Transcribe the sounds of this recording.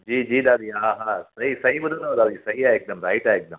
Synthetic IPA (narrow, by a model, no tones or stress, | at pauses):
d͡ʒiːd͡ʒiːd̪aːd̪iɦãːɦãːsɐɦisɐɦiʋɐd̪ənod̪aːd̪isɐɦiaeːk̚d̪ɐmɾaːɪʈaːeːk̚d̪ɐm